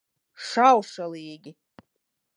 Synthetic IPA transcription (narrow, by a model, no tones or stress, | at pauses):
ʂawʂalijeɡʲɪ